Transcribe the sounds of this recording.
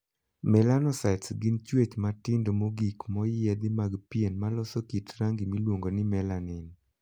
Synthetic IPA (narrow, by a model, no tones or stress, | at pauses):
mɛlanɔsatsɡint͡ʃwet͡ʃmatɪndomoɡikmɔjɛd̪ɪmaɡpjenmalɔsokitɾaŋɡimilwoŋɡonɪmɛlanɪn